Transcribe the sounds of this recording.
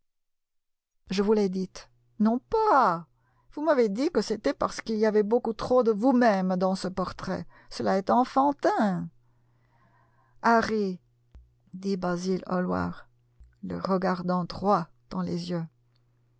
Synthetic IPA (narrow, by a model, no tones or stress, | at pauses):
ʒəvulɛd̪it̪ | nɔ̃pa | vumaved̪ikəset̪ɛpaʁsə̥kiliavɛbokut̪χod̪əvumɛmd̪ɑ̃səpɔʁt̪χɛ̰ | səlaɛt̪ɑ̃fɑ̃t̪ɛ̃ | aʁi | d̪ibazilɔ̰lwa̰ʁ | lə̰ʁəɡaʁd̪ɑ̃d̪ʁwa | d̪̥ɑ̃lezjø